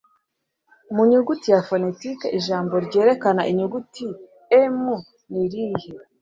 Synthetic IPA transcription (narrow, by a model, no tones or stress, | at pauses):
muɲuɡutijafone̞tikeʔiʒaːmbo̞ɾɟe̞ːɾe̞kanaʔiɲuɡuti | emu | niɾihe